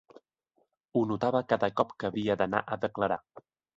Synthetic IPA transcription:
unut̪aβəkaðəkɔpkəːβiəd̪əna̰ʔəðəkləɾa

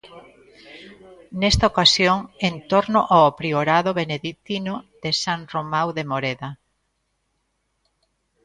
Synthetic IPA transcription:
nɛst̪aokasjoŋent̪oɾnʊʔaapɾioɾaðoβeneðit̪inoðesaŋromawðemoɾeða

